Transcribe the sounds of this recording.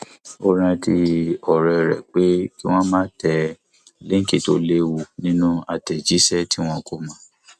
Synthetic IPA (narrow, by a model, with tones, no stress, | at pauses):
o˧ɾ̃ã˧tʰi˧ɔ˨ɾɛ˧ɾɛ̰˨k͡pe˦ki˦w̃ɔ̃˦mãː˦tʰɛ˧ | le˦ŋ̩˦ki˨to˦le˦wu˧˨nĩ˦nũ˦a˨tɛ˨d͡ʒi˨˦sɛ˦˨ti˦w̃ɔ̃˧ko˦mã˦